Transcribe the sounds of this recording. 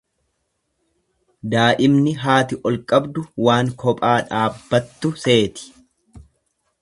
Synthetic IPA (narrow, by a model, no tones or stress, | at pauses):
d̪aːʔɪmnɪɦaːt̪ɪʔɔlkʼːɐbd̪ʊwaːŋkʰɔpʼaːᶑaːbːɐt̪ːʊse̞ːt̪ɪ̥